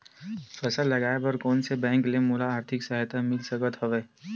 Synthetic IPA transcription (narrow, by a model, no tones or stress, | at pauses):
fɛsəlːɐɡaːepɐɾkɔːnsebɛ̃ːŋklemulaaːɾt̪ʰɪksəɦt̪amɪlsəkət̪ɦɐʋeː